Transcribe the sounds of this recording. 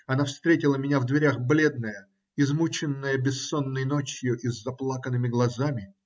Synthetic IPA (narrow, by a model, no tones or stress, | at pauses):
ɐnafst̪ɾʲetʲɪlˠəmʲɪnʲavd̪vʲɪɾʲaxblʲe̞d̪̚nəjə | ɪzmut͡ɕɪnːəjəbʲɪsːo̞nːəjno̞t͡ɕjʊʔɪzːɐplˠakənɨmʲɪɡlˠɐzamʲɪ